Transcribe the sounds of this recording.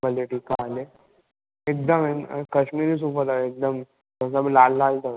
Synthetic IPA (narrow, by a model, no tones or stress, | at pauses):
bəleʈiːkːaːle | ek̚d̪əmẽn̰kəɕmiːɾis̬uːpəɾaek̚d̪əm | təs̬ablaːlːaːlt̪a